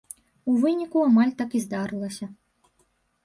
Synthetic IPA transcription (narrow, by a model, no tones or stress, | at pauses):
uvɨnʲikuamalʲt̪akizd̪aɾɨlˠɐsʲɐ